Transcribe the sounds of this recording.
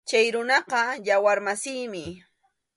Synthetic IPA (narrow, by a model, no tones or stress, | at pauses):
t͡ʃajɾʊnɑqɑjawaɾmasɪjmɪ